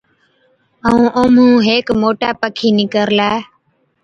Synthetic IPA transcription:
əũːʔoːmũːɦeːkmoːʈaːpəkʰiːnɪkəɾlaː

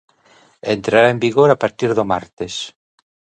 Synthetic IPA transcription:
ent̪ɾaɾaembiɣoɾapaɾt̪iɾðomaɾt̪es

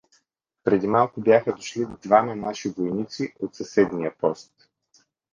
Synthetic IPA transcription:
pɾɛd̪imalˠkʊbjaxəd̪oʃlid̪vamɐnaʃivojnit̪siot̪sɐsɛd̪nijəpɔst̪

